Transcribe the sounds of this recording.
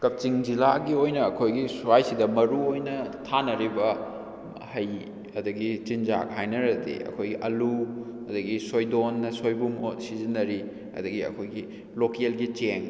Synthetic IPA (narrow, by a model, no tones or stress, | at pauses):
kɐp̚t͡ʃiŋd͡ʒilaɡiojnɐːkʰojɡisuajsidɐmɐɾuojnɐtʰanɐɾibɐ | hɐj | ɐdɐɡit͡ʃind͡ʒa̰k̚hajnɐɾɐtḭɐ̰kʰojɡiʔɐlu | ɐdɐɡisojdonːɐsojbumsizinːɐɾi | ɐ̰dɐɡiɐ̰kʰojɡi | lokielɡit͡ʃeŋ